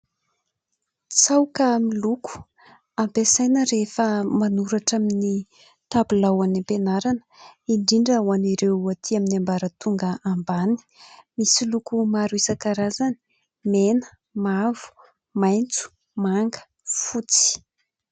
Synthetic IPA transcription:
t͡sawkamiluku̥ | ampesajnəɾefəmanuɾaʈ͡ʂamini | t̪abulawanipenaɾanə̥iɳɖ͡ʐiɳɖ͡ʐəwaniɾewat̪ʰiaminiambaɾət̪uŋɡəʔambani̥misilukumaɾuisakaɾazani̥ | menə̥ | mavu̥ | majnt͡su̥ | maŋɡə̥ | fut͡si̥

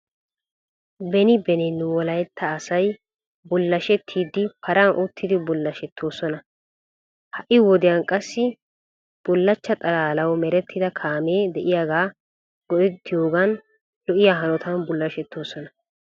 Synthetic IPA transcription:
bɛnɪbɛnɪnːʊwɔlɐjɛt̪ʰːɐːsɐj | bʊlːɐʃɛt̪ʰːiːd̪ːɪpɐɾɐnʔʊt̪ʰːɪd̪ɪbʊlːɐʃɛt̪ʰːo̞ːsɔnɐ | hɐʔɪwɔd̪ɪjankʼɐsːɪ | b̥ʊlːɐt͡ʃːɐt̪ʼɐlaːlɐwɔmɛɾɛt̪ːɪd̪ɐkʰaːmeːd̪ɛʔɪjaːɡaː | ɡɔʔɪd̪ːɪjo̞ːɡɐn | lɔʔɪjaːɦɐnɔt̪ɐnbʊlːɐʃɛt̪ːoːsɔnɐ

